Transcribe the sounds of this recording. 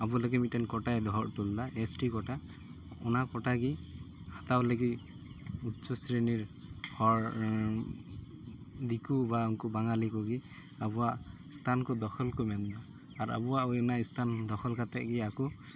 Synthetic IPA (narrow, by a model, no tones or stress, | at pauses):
abuləɡɛmitɛnkɔʈajd̪ɔɦɔɹtuldaesʈikɔʈa | ɔnakɔʈaɡi | hat̪awleɡi | utsɔsɾeniɹhɔɹ | d̪ikubauŋkɔbaŋalikɔɡi | abuwa | st̪ʰankɔd̪ɔxʰɔlkɔmɛndaː | ɹa̰buaɛnaist̪ʰand̪ɔxʰɔlkat̪ɛʔɡiakɔ